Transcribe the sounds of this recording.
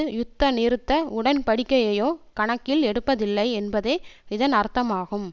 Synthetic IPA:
jʊt̪ːɐnɪɾɯt̪ːɐʊɽɐnpɐɽɪkːɐjɐjoːkɐɳɐkːɪlɛɽɯpːɐðɪlːɐɪɛnbɐðeːɪðɐnɐɾt̪ːɐmaːɣɯm

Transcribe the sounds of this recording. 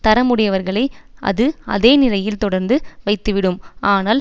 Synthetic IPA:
t̪ɐɾɐmʊɽɪjɐʋɐɾɣɐɭɐɪʔɐ̰ðɯɐ̰ðeːnɪlɐjɪlt̪ɔɽɐɾnd̪ɯʋɐɪt̪ːɯʋɪɽɯmʔaːnaːl

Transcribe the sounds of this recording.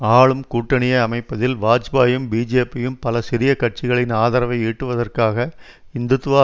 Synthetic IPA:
aːɭɯmkuːʈːɐɳɪjɐɐmɐɪpːɐðɪlʋaːd͡ʒbaːjɯmbiːd͡ʒeːpːɪjɯmpɐlɐsɪɾɪjɐkɐʈ̚t͡ʃɪɣɐɭɪnaːðɐɾɐʋɐɪiːʈːɯʋɐðɐrkaːɣɐ | ɪnd̪ɯt̪ːɯʋaː

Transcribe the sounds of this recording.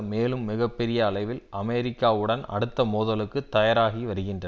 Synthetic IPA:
meːlɯmːɪɣɐpːɛɾɪjɐːɭɐɪʋɪlʔɐmɛɾɪkːaːʋɯɽɐnɐ̰ɽɯt̪ːɐmoːðɐlɯkːɯt̪ːɐjɐɾaːɣiʋɐɾɯɣɪndrɐ

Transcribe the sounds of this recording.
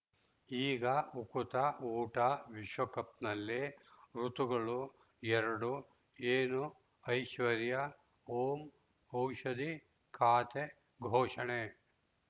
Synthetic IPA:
iːɡɐukut̪ɐuːʈɐʋiʃʋɐkɐp̚nɐlːiɾut̪uɡɐɭu | ɛɾɐɽu | eːnu | ɐjʃʋɐɾjɐ | oːm | ɐwʃɐd̪i | kʰaːt̪e | ɡʱoːʂɐɳe

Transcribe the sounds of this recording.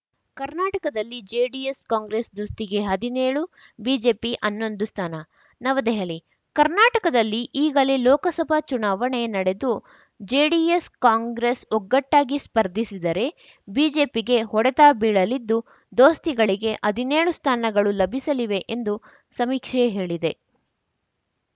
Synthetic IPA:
kɐɾnaːʈɐkɐd̪ɐlːid͡ʒeːɖijeskaːŋɡɾesd̪oːst̪iɡe̞ɦɐd̪ineːɭu | biːd͡ʒe̞ːpiʔɐnːo̞nd̪ust̪ʰaːnɐ | nɐʋɐd̪ɛɦɐli | kɐɾnaːʈɐkɐd̪ɐlːiʔiːɡɐlilɔːkɐsɐbʱɐt͡ʃunaːʋɐɳenɐɽe̞d̪u | d͡ʒeːɖijeskaːŋɡɾesɔɡːɐʈːaːɡispɐɾd̪ʱisid̪ɐɾe̞ | biːd͡ʒe̞ːpiɡe̞ɦɔɽɛt̪aːbiːɭɐlid̪ːu | d̪o̞ːst̪iɡɐɭiɡe̞ʔɐd̪ine̞ːɭust̪ʰaːnɐɡɐɭulɐbʱisɐliʋe̞ʔend̪u | sɐmiːkʂeɦe̞ːɭid̪e̞

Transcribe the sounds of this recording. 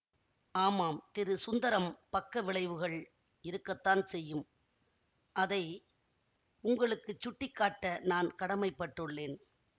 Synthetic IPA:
aːmaːmt̪ɪɾɯsʊnd̪ɐɾɐmpɐkːɐʋɪɭɐɪʋɯɣɐɭ | ɪɾɯkːɐt̪ːaːnsɛjːɯm | ʔɐðɐɪ | ʊŋɡɐɭɯkːɯt͡ʃːʊʈːɪkːaːʈːɐnaːnkɐɽɐmɐɪpːɐʈːɯɭːeːn

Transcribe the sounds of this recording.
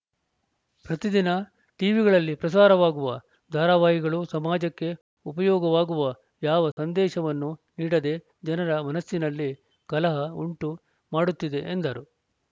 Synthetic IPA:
pɾɐt̪id̪inɐ | ʈiːʋiɡɐɭɐlːipɾɐsaːɾɐʋaːɡuʋɐ | d̪ʱaːɾaːʋaːɦiɡɐɭusɐmaːd͡ʒɐkːe̞ | upɐjɔːɡɐʋaːɡuʋɐ | jaːʋɐsɐnd̪ɛːʃɐʋɐnːuniːɽɐd̪e̞ | d͡ʒɐnɐɾɐmɐnɐsːinɐlːi | kɐlɐɦɐuɳʈu | maːɽut̪ːid̪e̞ʔend̪ɐɾu

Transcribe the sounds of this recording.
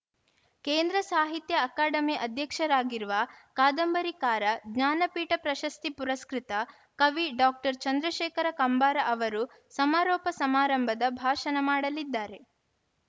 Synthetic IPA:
keːnd̪ɾɐsaːɦit̪jɐːkaːɖɐmiʔɐd̪ʱjɐkʂɐɾaːɡiɾuʋɐkaːd̪ɐmbɐɾikaːɾɐɡɲaːnɐpiːʈɐpɾɐʃɐst̪ipuɾɐskɾit̪ɐ | kɐʋiɖaːk̚ʈɐɾt͡ʃɐnd̪ɾɐʃeːkɐɾɐkɐmbaːɾɐʔɐʋɐɾu | sɐmaːɾɔːpɐsɐmaːɾɐmbʱɐd̪ɐbʱaːʃɐnɐmaːɽɐlid̪ːaːɾe̞

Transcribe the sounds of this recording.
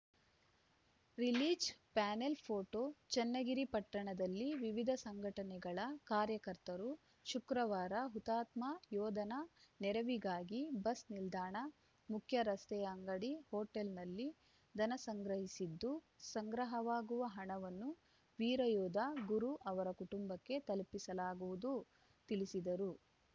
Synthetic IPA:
ɾiliːd͡ʒpaːnelpʰoːʈot͡ʃɛnːɐɡiɾipɐʈːɐɳɐd̪ɐlːiʋiʋid̪ʱɐsɐŋɡʱɐʈɐnɛɡɐɭɐkaːɾjɐkɐɾt̪ɐɾu | ʃukɾɐʋaːɾɐɦut̪aːt̪majɔːd̪ʱɐnɐnɛɾɐʋiɡaːɡibɐsnild̪ʱaːɳɐ | mukʰjɐɾɐst̪ɛjɐŋɡɐɽihoːʈːelnɐlːi | d̪ʱɐnɐsɐŋɡɾɐɦisid̪ːu | sɐŋɡɾɐɦɐʋaːɡuʋɐɦɐɳɐʋɐnːu | ʋiːɾɐjɔːd̪ʱɐɡuɾuʔɐʋɐɾɐkuʈumbɐkːe̞t̪ɐlpisɐlaːɡuʋud̪u | t̪ilisid̪ɐɾu

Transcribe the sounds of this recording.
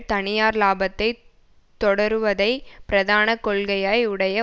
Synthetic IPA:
t̪ɐnɪjaːɾlaːbɐt̪ːɐɪ | t̪ːɔɽɐɾɯʋɐðɐɪpɪɾɐðaːnɐkɔɭɣɐjaːjʊɽɐjɐ

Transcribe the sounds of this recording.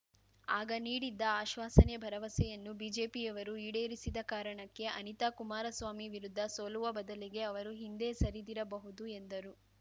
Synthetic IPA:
aːɡɐniːɽid̪ːɐaːʃʋaːsɐnebʱɐɾɐʋɐsɛjɐnːubiːd͡ʒe̞ːpijɐʋɐɾuiːɽeːɾisid̪ɐkaːɾɐɳɐkːe̞ʔɐnit̪akumaːɾɐsʋaːmiʋiɾud̪ʱːɐsoːluʋɐbɐd̪ɐliɡe̞ɐʋɐɾuɦind̪e̞ːsɐɾid̪iɾɐbɐɦud̪ue̞nd̪ɐɾu

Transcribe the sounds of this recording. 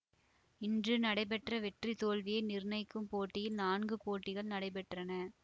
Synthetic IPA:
ɪndrɯnɐɽɐɪpɛʈrɐʋɛʈrit̪oːlʋɪjɐɪnɪɾnɐɪkːɯmpoːʈːɪjɪlnaːnɡɯpoːʈːɪɣɐɭnɐɽɐɪp̬ɛʈrɐnɐ

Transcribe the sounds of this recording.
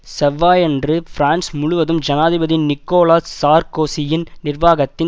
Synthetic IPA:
sɛʋːaːjɛndrɯfɾaːnsmʊɻʊʋɐðɯmd͡ʒɐnaːðɪbɐðɪnɪkːoːlaːsaːɾkoːsɪjɪnnɪrʋaːɣɐt̪ːɪ

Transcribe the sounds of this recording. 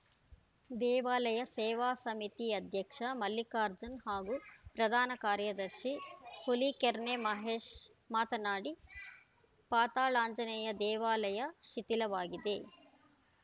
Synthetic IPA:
d̪ɛːʋaːlɐjɐsɛːʋaːsɐmit̪iɐd̪ʱjɐkʂɐmɐlːikaːɾd͡ʒɐnhaːɡupɾɐd̪ʱaːnɐkaːɾjɐd̪ɐɾʃikolikeɾnemɐɦeːʃ | maːt̪ɐnaːɽi | paːt̪aːɭaːɲd͡ʒɐnɛjɐd̪ɛːʋaːlɐjɐʃit̪ilɐʋaːɡid̪e

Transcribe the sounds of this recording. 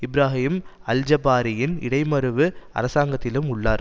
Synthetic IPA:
ɪbɪɾaːɦɪɪm | ɐld͡ʒɐbaːɾɪjɪnɪ̰ɽɐɪmɐɾɯʋɯɐ̰ɾɐsaːŋɡɐt̪ːɪlɯmʊɭːaːɾ

